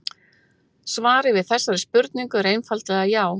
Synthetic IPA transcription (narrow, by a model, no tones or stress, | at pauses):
svaːɾɪvɪðθɛsːaɾɪspʏɾt̪niŋkʏɾejnfalt̪lɛɣajaːw